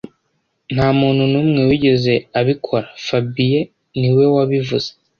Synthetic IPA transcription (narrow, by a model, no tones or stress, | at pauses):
n̥haːmuːn̥hunumŋe̞wiɟe̞ze̞aβikʰo̞ɾafabije | niwe̞waβivuz̥e̥